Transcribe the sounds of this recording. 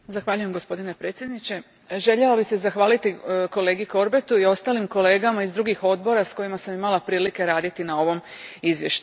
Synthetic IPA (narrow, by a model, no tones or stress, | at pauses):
zaxʋaːʎujemɡo̞spo̞d̪ine̞pɾe̞ːt̪sʲjed̪nit͡ɕe̞ | ʒe̞ʎalobixsezaxʋaːlit̪iko̞le̞ːɡiko̞ɾbe̞t̪uio̞st̪aːlimko̞le̞ːɡamaizd̪ɾuːɡixo̞d̪̚bo̞ɾasko̞jimasamimalˠapɾiːlike̞ɾaːd̪it̪inao̞ʋo̞mizʋje̞̰ʃt̪u